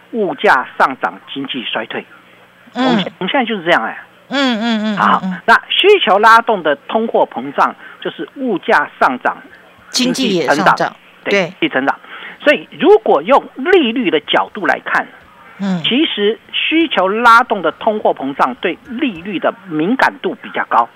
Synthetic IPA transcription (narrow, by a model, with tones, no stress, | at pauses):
u˥˧t͡ɕja˥˧ʂɑ˥˩ŋʈ͡ʂɑ̰˨˩ŋt͡ɕi˥ŋt͡ɕi˥˩ʂwa˥ɪt̪ʰwe˥˩ɪ | ʊ˧˥ʊ˧˥ŋɕjt͡ɕo˥˧ʊʂɻ̩˥˧ʈ͡ʂjɑ˥˩ə˩˥˩ | a˧˥˩na˥˩ɕy˥t͡ɕʰjo˧˥ʊla˥t̪ʊ˥˩ŋd̪ə˩t̪ʰʊ˥ŋxwɔ˥˩pʰɤ˧˥ŋʈ͡ʂɑ˥˩ŋt͡ɕjo˥˧ʊʂɻ̩˥˧u˥˧t͡ɕja˥˧ʂɑ˥˩ŋʈ͡ʂɑ̰˨˩ŋ | t͡ɕi˥ŋi˥ə˧˥ʈ͡ʂɑ̰˨˩˨ | t̪we˥˩t͡ɕi˥˩ə˧˥ŋʈ͡ʂɑ̰˨˩ŋswɔ˧˥i˨˩ɻu˧˥kwɔ˨˩jʊ˥˧ŋli˥˧ly˥˩d̪ə˩t͡ɕjɑ˨˩ʊt̪u˥˩la̰˧˥ɪkʰa̰˥˩n | t͡ɕʰi˧˥ʂɻ̩˧˥ɕy˥t͡ɕʰjo˧˥ʊla˥t̪ʊ˥˩ŋd̪ə˩t̪ʰʊ˥ŋxwɔ˥˩pʰɤ˧˥ŋʈ͡ʂɑ˥˩ŋt̪we˥˩ɪli˥˧ly˥˩d̪ə˩mi˧˥ŋka˨˩nt̪u˥˩pi˨˩t͡ɕjɑ˥˩ʊkɑ˥ʊ